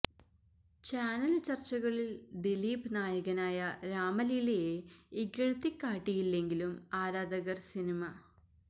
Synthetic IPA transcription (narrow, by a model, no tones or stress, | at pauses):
t͡ɕaːnɐlt͡ɕɐrt͡ɕːɐɣɐɭild̪iliːbnaːjɐɣɐnaːjɐɾaːmɐlilejeiɡɐɻɐt̪ːikːaːʈːijilːe̞ŋɡilumaːɾaːd̪ɐɣɐrsinimɐ